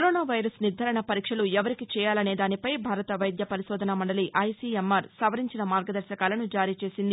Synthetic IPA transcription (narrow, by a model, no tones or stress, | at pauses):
kɐɾɔːnaːʋɐjɾɐsniɾd̪ʱːɐɾɐɳɐpɐɾiːkʂɐluɛʋɐɾikit͡ʃɛːjaːlɐne̞ːd̪aːnipɐjbʱaːɾɐt̪ɐʋɐjd̪jɐpɐɾiʃɔːd̪ʱɐnɐmɐɳɖɐliʔɐjsiːemːɐɾsɐʋɐɾiɲt͡ʃinɐmaːɾɡɐd̪ɐɾʃɐkaːlɐnud͡ʒaːɾiːt͡ʃe̞ːsind̪i